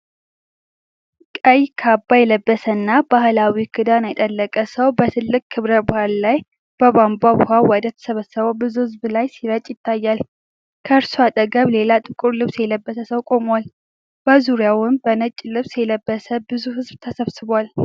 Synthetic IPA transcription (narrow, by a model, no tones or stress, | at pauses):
kʼəjkʰabːajɛləbːəsənːabahlawikʰɨd̪anajɛt̪ʼəlːəkʼəsəwbət̪ʰɨlːɨkʼːkʰːɨβɾəbʊhallaj | b̥əbambabʊhawɔd̪ət̪ʰə̥səβəsːəβəwbɨzuhɨzblajsiɾət͡ʃʼːjɪt̪ʰːajːal | kʰəɨɾsuat̪ʼəɡəβle̞lat̪ʼɨkʼʊɾlɨβsjɛləbːəsəsəwkʼo̞mwal | b̥əzuɾijawʊmbənət͡ʃʼːlɨβsjɛləbːəsəbɨzuhɨzbt̪ʰəsəβsɨβal